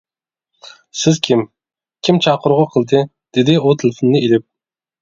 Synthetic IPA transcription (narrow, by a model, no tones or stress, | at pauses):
sɪzkʲʰim | kʲʰimt͡ʃʰɑqʰʊɾʁəqʰəlˠd̪ɨ | d̪̥ɪd̪ɪut̪ʰɪlˠɪfʊnːɪelɪp̚